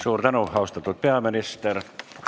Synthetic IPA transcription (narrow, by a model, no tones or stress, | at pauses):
suːrt̪ɑnuhhɑust̪ɑt̪ut̪̚peæminist̪er